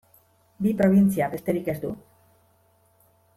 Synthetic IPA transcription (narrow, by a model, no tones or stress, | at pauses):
bipɾoβ̞insiaβest̪eɾikezd̪u